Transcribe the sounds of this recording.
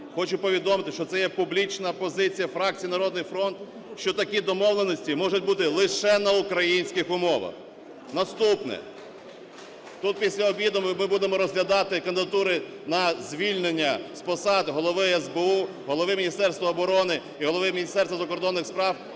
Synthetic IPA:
xɔt͡ʃʊpɔʋʲid̪ɔmɪt̪ɪʃt͡ʃɔt̪sɛjɛpʊblʲit͡ʃnɐpɔzɪt͡sʲijɐfɾɑk̚t͡sʲijinɐɾɔd̪nɪjfɾɔnt̪ | ʃt͡ʃɔt̪ɐkʲid̪ɔmɔʋlˠenɔsʲtʲimɔʒʊtʲbut̪ɪlˠɪʃɛnɐʊkɾɐjinʲsʲkɪxʊmɔʋɐ̰x | nɐst̪upnɛ̰ | t̪ut̪̚pʲisʲlʲɐɔbʲʋʲid̪ʊmmɪbud̪emɔɾɔzɦlʲɐd̪ɑt̪ɪkɐnd̪ɪd̪ɐt̪uɾɪ | nɐzʲʋʲilʲnenʲːɐspɔsɑd̪ɦɔlˠɔʋɪɛzbeu | ɦɔlˠɔʋɪmʲnʲist̪ɛrst̪ʋɐːbɔɾɔnɪ | iɦɔlˠɔʋɪmʲinʲist̪ɛrsʋɐzɐkɔɾd̪ɔnːɪxspɾɑw

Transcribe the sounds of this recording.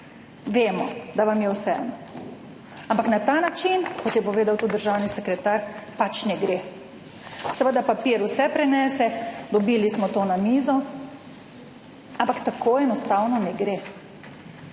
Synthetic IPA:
ʋeːmɔd̪aʋamjɛwsɛɛ̰nɔ | ampaknat̪anat͡ʃinkɔt̪jɛpɔʋeːd̪awt̪ud̪əɾʒawnisɛkɾɛt̪aɾpat͡ʃnɛɡɾe | sɛʋəd̪apapiːɾusɛpɾɛnɛsɛd̪ɔbiːlismɔt̪onamiːzɔ | ampakt̪akoːɛnɔst̪awnɔnɛɡɾe

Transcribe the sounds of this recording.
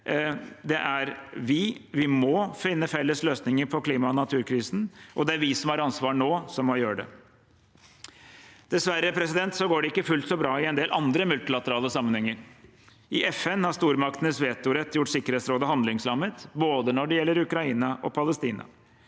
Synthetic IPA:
d̪ɛʔæɾʋɪʋɪmɔfɪnːəfɛlːəsløːsnɪŋəɾpʰɔkʰliːmɑɔnɑt̪ʰʉːɾkʰɾiːsn̩ʔɔd̪ɛæɾʋɪsɔmhɑɾɑnsʋɑːɳoːsɔmːɔjøːɾəɖɛ̰ | d̪̥ɛsʋæɾːəpʰɾɛsɪd̪ɛnt̪sɔɡoːɖɛɪkːəfʉlt̪sɔbɾɑːɪɛnd̪eːlʔɑ̰nd̪ɾəmʉlt̪ɪlɑt̪əɾɑːləsɑmːənhɛŋːəɾ | ʔɪʔɛfɛnhɑʂt̪uːɾmɑk̚t̪ənəsʋeːt̪ʊɾɛt̪ːjʊʈːsɪkːəɾeːt̪sɾoːd̪əhɑnd̪lɪŋslɑmːət̪boːd̪ənɔɖɛjɛlːəɾʉkɾɑiːnɑʔɔpʰɑləst̪iːnɑ̰

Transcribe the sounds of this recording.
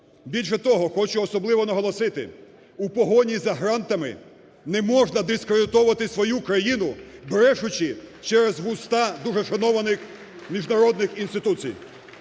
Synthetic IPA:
bʲilʲʃ̬ɛt̪ɔɦɔxɔt͡ʃʊɔsɔblˠɪʋɔnɐɦɔlˠɔsɪt̪ɪ̰ | upɔɦɔnʲizɐɦɾɑnt̪ɐmɪ̰ | nɛmɔʒnɐd̪ɪskɾed̪ɪt̪ɔʋɐt̪ɪsʋɔjukɾɐjinʊbɾɛʃʊt͡ʃɪt͡ʃɛɾezʋʊst̪ɑd̪uʐɛʃɐnɔʋɐnɪx | mʲiʒnɐɾɔd̪nɪxinst̪ɪt̪ut͡sʲḭj

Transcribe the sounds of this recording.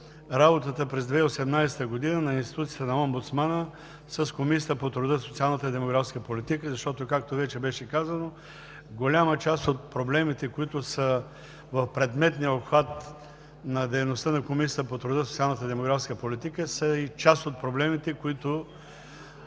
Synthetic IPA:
ɾabot̪ət̪əpɾɛzd̪vɛiosɛmnajsɛ̥t̪əɡod̪inənɐinst̪i̥t̪ut̪siət̪ənɐɔmbʊt̪smanə | səskomisʲiət̪əpot̪ɾʊd̪əsot̪sialˠnət̪əid̪ɛmoɡɾafskəpolit̪ikəzɐʃt̪ɔt̪okak̚t̪ovɛt͡ʃɛbɛʃɛkazəno | ɡolʲamət͡ʃast̪ot̪̚pɾoblɛmit̪ɛkoit̪ʊsə | vɐfpɾɛd̪mɛt̪nijəopxvat̪̚ | nɐd̪ɛjnost̪ənɐkomisʲiət̪əpot̪ɾʊd̪əsot̪sialˠnət̪əd̪ɛmoɡɾafskəpolit̪ikəsəit͡ʃast̪ot̪̚pɾoblɛmit̪ɛkoit̪ʊ

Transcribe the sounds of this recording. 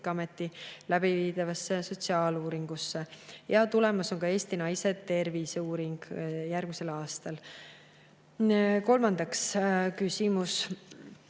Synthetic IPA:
kɑme̞t̪ːilæb̥iviːd̪̥ɑvɑsːeso̞t̪siɑːluːɾiŋɡ̥usːejɑt̪ule̞mɑso̞ŋkɑe̞ːst̪inɑjse̞t̪e̞rvisuːɾiŋɡ̥jærɡ̥mise̞lɑːst̪ɑl | ko̞lmɑnd̪ɑkskysʲimus

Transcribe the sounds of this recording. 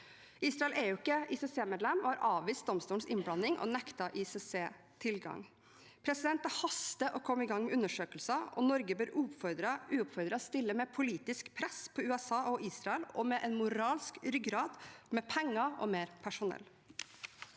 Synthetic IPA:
ʔiːsɾɑɛleːʊɪkːəisɛseːmeːd̪lɛmɔːhɑɾʔɑːʋʋiːst̪̚d̪ɔmst̪uːən̩sɪnblɑnɪŋʔɔ̰nɛkt̪ɑʔisɛseː | t̪ʰɪlɡɑ̰ŋ | pʰɾɛsɪd̪ɛnt̪ɑhɑst̪əʔɔkʰɔmːɪɡɑŋːmɛʉnːəʂøːkəlsɑʔɔ̰nɔɾɡəbøːɾfɔd̪ɾəʉːʊpfɔɾd̪ɾɑst̪ɪlːəmɛpʰʊliːt̪ɪskpʰɾɛspʰɔʉːɛsɑːʔɔʔiːsɾɑɛlɔmɛʔɛnmʊɾɑːlskɾʏɡɾɑːd̪mɛpʰɛŋːɑɔ̰meːɾpʰæʂʊnɛ̰lː

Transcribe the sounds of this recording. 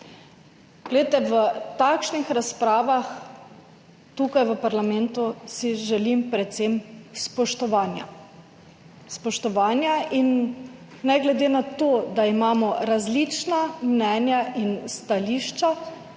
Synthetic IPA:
ɡ̥lɛt̪ɛʋət̪akʃnixɾaspɾaːʋax | t̪ukajʋəpaɾlamɛnt̪usiʒɛlimpɾɛt̪semspɔʃt̪ɔʋaːnja̰ | spɔʃt̪ɔʋaːnjainː | ɛɡlɛd̪eːnat̪oːd̪aimaːmɔɾazlit͡ʃnamnɛːnjaʔinst̪aliːʃt͡ʃa

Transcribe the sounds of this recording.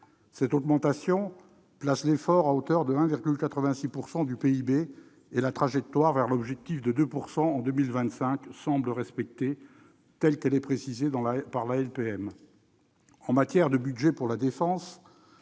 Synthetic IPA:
sɛt̪ɔɡmɑ̃t̪asjɔ̃ | plaslefɔʁaot̪œʁd̪əɛ̃viʁɡʲylkat̪χəvɛ̃sipuʁsɑ̃d̪ypeibe | elat̪χaʒɛk̚t̪waʁvɛʁlɔbʒɛk̚t̪ifd̪əd̪øpuʁsɑ̃ːd̪ømilvɛ̃t̪sɛ̃ksɑ̃bləʁɛspɛk̚t̪e | t̪ɛlkɛlɛpχesized̪ɑ̃paʁlaɛlpeɛm | ɑ̃mat̪jɛʁd̪əbyd̪ʒɛpuʁlad̪efɑ̃s

